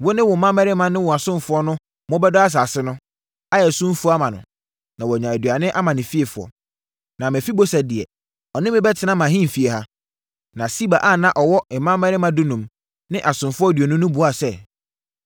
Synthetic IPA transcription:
wo˦nɪ̃˦wʊ̃˨mã˦mɛ˦ɾɪ˦mã˨nʊ̃˦wɔ̃˨a˨sʊ̃˦m˨fʊ˦ɔ˦nʊ̃˦ | mɔ̃˦bɛ˦dɔ˦a˦s̬aː˨sɪ˦nʊ̃˦ | a˦jɛ˨sʊ̃˦fu˦a˦mã˨nʊ̃˨ | nã˨wɔ˨ɲã˨æ˨dɥa˨nɪ̃˦ʔa˦mã˨nɪ̃˨fi˦e˨fʊ˨ɔ̰˨ | nã˨m˨ɛ˨fi˦bo˦sa˨dɪ˨ɛ̰˨ | ɔ˨nɪ̃˦mɪ̃˦bɛ˦tʰɪ˨˦nã˦mã˨ɦĩ˦˨fi˨ɛ˨ha˦ | nã˨si˦ba˨ʔa˦˨nã˦ʔɔ˨wɔ˦ɪ˨mːã˦ɛ˦ɾɪ˦mã˦dʊ˦nũ˨m | nɪ̃˦ʔa˨sʊ̃˨mfʊ˦ɔ˦dɥɔ˨nʊ̃˦nʊ̃˦bu˨˦a˦˨sɛ˦

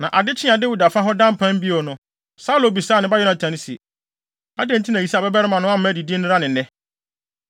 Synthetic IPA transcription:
nã˨ʔa˨dɪ˦t͡ɕʰɪ̃˦ã˨dɪ˦wʊ˨da˨fa˦ɦɔ˦dã˦m˦pʰã˦m˦bi˦ɔ˨nʊ̃˨˦ | sa˦lo˨˦bi˨saː˦˨n˨ɪ̃˦ba˦jɔ˦nã˨tʰã˨n˦si˨ | a˦dɛ̃˦n̩˦tʰi˦nã˨i˨si˦a˨bɛ˦bɛ˦ɾɪ˦mã˨nʊ̃˦a˦m̩˦mæ˦di˨di˦nɪ̃˦ɾa˦nɪ̃˨nɛ̃˦

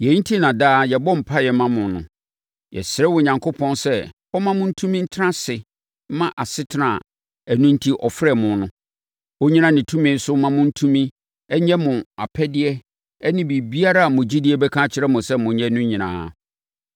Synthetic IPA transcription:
jɛ˨˦n̩˦tʰi˦nã˨daː˦jɛ˨bɔ̃˦m̩˨pʰa˦jɛ˨mã˦mʊ̃˨nʊ̰̃˨ | jɛ̰˨sɾɛ˦wɔ˨ɲã˨ŋkʰo˦pʰɔ̃˦nsɛ˦ | ɔ˦mã˦mʊ̃˦n̩˦tʰũ˦mĩ˦n̩˦tʰã˦sɪ˨˦ | mã˦ʔa˨sɪ˦tʰɪ˦nã̰˨ | æ˨nũ˦n̩˦tʰi˦ʔɔ˨fɾɛ˦mʊ̃˨nʊ̃˦ | o˦ɲĩ˦nã˦nɪ̃˨tʰũ˦mɪ̃˦n̩˦sʊ˦mã˦mʊ̃˦n̩˦tʰũ˦mĩ˦ | ɛ˦ɲɛ̃˦mʊ̃˨a̰˨pʰɛ˦dɪ˦ɛ˦ | ɛ˦nɪ̃˦bi˨bi˦a˦ɾa˦a˨mʊ̃˨d͡ʑi˦dɪ˦ɛ˦bɛ˦kʰã˦t͡ɕʰɪ˦ɾɛ˦mʊ̃˨sɛ˦mʊ̃˨ɲɛ̃˦nʊ̃˦ɲĩ˨nã̰ː˨

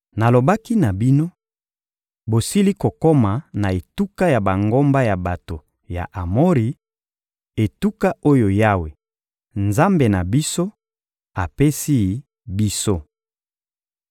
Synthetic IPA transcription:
na˨lo˨ba˦ki˦na˨bi˦no˦ | bo˨si˦li˦ko˨ko˦ma˨na˨e˨tu˦ka˦ja˨ba˨ŋɡo˦mba˦ja˨ba˨to˨ | ja̰˨ʔa˨mo˦ʁi˨ | e˨tu˦ka˦o˦jo˨ja˦we˨ | nza˦mbe˨na˨bi˦so˦ | a˨pe˦si˦ | bi˦so˦

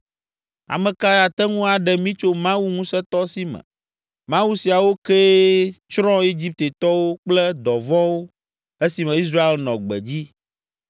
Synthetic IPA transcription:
a̰˨mɛ̃˨ka˦ja˨t̪ɛ˦ŋũ˦a˨ɖɛ˨mĩ˦t͡ʃo˦mã˦wu˦ŋũ˦sɛ˦t̪ɔ˦si˦mɛ̰̃˨ | mã˦wu˦si˨a˨wo˦ke˦t͡ʃɾɔ̃˦e˦d͡ʑi˦p̚t̪e˨t̪ɔ˦wo˦k͡plɛ˦d̪ɔ˨vɔ̃˦wo˦ | e˦si˨mɛ̃˨i˦s̬ɾa˦e˨lnɔ̃˨ɡ͡bɛ̰˨d͡ʑi˦

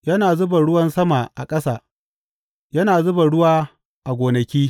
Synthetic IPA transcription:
jɐ˦naː˨zʊ˦ba˨ɽʊ˦wɐ˦nsɐ˦ma˨ʔa̰˨kʼɐ˦saː˨ | jɐ˦naː˨zʊ˦bɐ˨ɽʊ˦waː˦ | ʔa˨ɡʷoː˨nɐ˨kʲiː˦

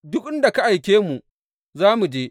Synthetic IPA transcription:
dʊ˦k̚ʔɪ˦nda˨ka˦ʔa˨jkʲeː˦mu˨ | zaː˦mu˨d͡ʒeː˦

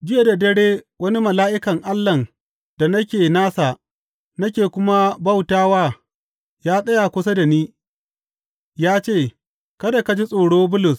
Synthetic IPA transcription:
d͡ʒɪ˦je˨da˨dɐ˦ɽeː˦wɐ˦ni˦mɐ˨laː˦ʔɪ˦kɐ˨ŋʔa˦lːɐ˨n | d̥a˨nɐ˦kʲeː˨naː˦sa˨ | nɐ˦kʲeː˨kʷʊ˦ma˦ba˦wtaː˦waː˦ | jaː˦sʼɐ˦ja˨kʷʊ˦s̬ɐ˦da˨niː˦ | jaː˦t͡ʃeː˦˨ | kɐ˦da˨ka˨d͡ʒi˦sʼoː˨ɽoː˦bʊ˦lʊ˨s

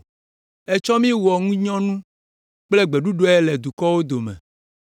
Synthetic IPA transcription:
ɛ˨t͡ʃɔ˦mĩ˦wɔ˨ŋũ˦ɲɔ̃˦nũ˦ | k͡ple˦ɡ͡be˨ɖu˦ɖo˦ɛ˦lɛ˨d̪u˨kɔ˦wo˦d̪o˨meɛ̰̃˨

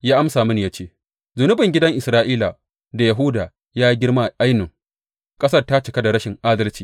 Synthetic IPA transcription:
jaː˦ʔa˦msaː˨mɐ˦ni˨ja˦t͡ʃeː˦ | zʊ˨nʊ˦bɪ˨ŋɡʲɪ˦dɐ˦ŋʔɪ˨sɾaː˦ʔiː˦la˨ | da˨ja˨ɦʊː˦daː˨ | jaː˦ji˦ɡʲɪ˦ɽma˦˨ʔa˦jnʊ˨ŋ | kʼɐ˦sɐ˦rta˦t͡ʃɪ˨ka˦da˨ɽɐ˦ʃɪ˨ŋʔaː˦dɐ˦lt͡ʃi̥ː˨

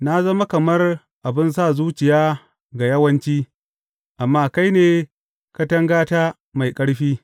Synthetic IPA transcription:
na˦zɐ˦ma˦kɐ˨mɐ˦r | ʔa˨bɪ˦ns̬aː˦˨zuː˦t͡ʃɪ˨jaː˦ | ɡa˨jɐ˦wɐ˦nt͡ʃiː˦ | ʔa˨mːaː˦ka˦jneː˨ | ka˦tɐ˦ŋɡaː˦taː˦ | ma˨jkʼɐ˦ɽɸiː˦

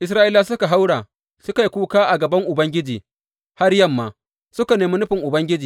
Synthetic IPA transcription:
ʔɪ˦s̬ɾaː˦ʔɪ˦la˦sʊ˦ka˨ɦa˦wɽaː˨ | sʊ˦ka˨ji˦kʷuː˦kaː˦ʔa˨ɡɐ˨bɐ˦ŋʔʊ˨bɐ˦ŋɡʲɪ˦d͡ʒiː˨ | ha˦rjɐ˦˨mːaː˨ | sʊ˦ka˨neː˨mi˦nʊ˦ɸɪ˨ŋʔʊ˨bɐ˦ŋɡʲɪ˦d͡ʒiː˨

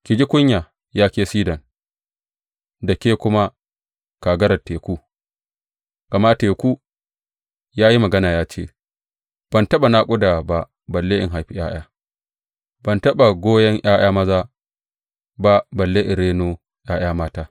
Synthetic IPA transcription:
kʲɪ˨d͡ʒi˦kʷʊ˦ɲja˨ | jaː˦kʲeː˦siː˦dɐ˨n | dɐ˨kʲeː˦kʷʊ˦ma˦ | ka˨ɡɐ˦ɾɐ˨teː˨kʷuː˦ | kɐ˨ma˦teː˨kʷuː˦ | jaː˦ji˦mɐ˨ɡɐ˦naː˨jaː˦t͡ʃḛː˦˨ | b̥ɐ˨ntɐ˦ɓa˨naː˦kʷʼʊ˦da˨ba˨ | bɐ˨lːeː˦ʔɪ̰˨ŋɦa˨jɸi˦j̰ʔaː˦j̰aː˦ | b̥ɐ˨ntɐ˦ɓa˨ɡʷoː˦jɐ˦ŋʔaː˦j̰aː˦mɐ˦zaː˦ | ba˦bɐ˨lːeː˦ʔɪ˨ɾeː˦noː˦ | j̰aː˦j̰aː˦maː˦taː˦

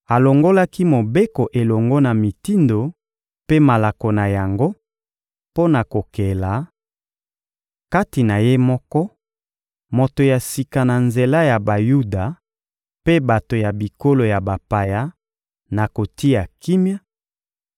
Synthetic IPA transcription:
a˨lo˨ŋɡo˦la˦ki˦mo˨be˦ko˨ʔe˨lɔ˨ŋɡɔ˦na˨mi˨ti˦ndo˨ | pe˦ma˨la˨ko˨na˨ja˨ŋɡo˦ | po˦na˨ko˨ke˨la˨ | ka˦ti˨na˨je˦mɔ˦kɔ˦ | mo˨to˨ja˨si˨ka˨na˨nze˨la˦ja˨ba˨ju˦da˨ | pe˦ba˨to˨ja˨bi˨ko˦lo˨ja˨ba˨pa˨ja˦ | na˨ko˨ti˦ja˨ki˦mja˦

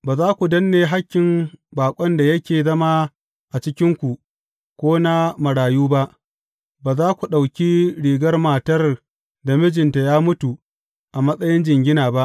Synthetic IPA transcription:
baː˨zaː˦kʷu˨dɐ˦nːeː˨ɦa˦kʲːɪ˨mbaː˨kʷʼɔ˦nda˨jɐ˦kʲeː˨zɐ˦ma˦ | ʔa˨t͡ʃɪ˦kʲɪ˦ŋkʷu˨ʔ | kʷoː˦na˦mɐ˨ɽaː˨juː˦ba˦ʔ | baː˨zaː˦kʷu˨ɗa˨wkʲi˦ɽiː˨ɡɐ˦rmaː˨tɐ˦r | da˨mɪ˦d͡ʒɪ˨nta˨jaː˦mʊ˦tu˨ | ʔa˨mɐ˦sʼɐ˦jɪ˦nd͡ʒɪ˨ŋɡʲɪ˦naː˨ba˦ʔ

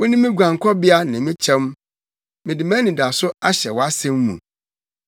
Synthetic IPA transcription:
wʊ̃˦nɪ̃˦mɪ̃˦ɡʷã˨ŋ˨kʰɔ˦bɪ˦a˦nã˨mĩ˦t͡ɕʰɛ̃˦m | mɪ̃˨dɪ˨mæ̃˦nĩ˨da˨sʊ˦a˦ɕɛ̰˨wɔ˨a˦sɛ̃˦mːṵ̃˨

